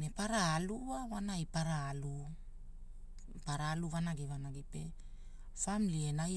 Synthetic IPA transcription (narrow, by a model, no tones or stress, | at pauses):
nepaɾaːluawanajpaɾaːlu | paɾaluβanaɡiβanaɡipe̞ | famlie̞naj